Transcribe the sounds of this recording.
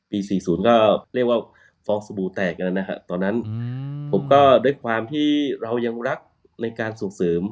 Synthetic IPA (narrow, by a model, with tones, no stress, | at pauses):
piː˧siː˨˩suː˩˦nkɔː˥˩ɾi˥˩ək̚waː˥˩ | fɔː˧ŋsa˧buː˧t̪ɛː˨˩k̚la˧nːa˦˥kʰa˦˥t̪ɔː˧nːa˦˥npʰo˩˦mkɔː˥˩duː˥˩əjkʰwaː˧mt̪ʰiː˥˩ɾa˧wja˧ŋɾa˦˥k̚ | na˧jkaː˧nso˨˩ŋsɤː˩˦m